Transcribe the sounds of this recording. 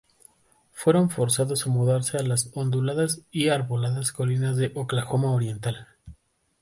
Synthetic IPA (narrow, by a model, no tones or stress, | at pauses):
fwe̞ɾo̞ɱfo̞ɾsaðo̞samuðaɾse̞alaso̞nd̪ulaðasiaɾβolaðasko̞linazðe̞ʔoklaxo̞maoɾje̞nt̪al